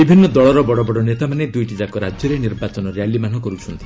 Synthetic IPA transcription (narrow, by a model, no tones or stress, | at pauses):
bibʱinːɔd̪ɔɭɔɾɔbɔɽɔbɔɽɔnet̪amaned̪ujʈid͡ʒakoɾad͡ʒjɔɾeniɾbat͡ʃɔnɔɾejalimanɔkɔɾut͡ʃʰɔnt̪ʰi̥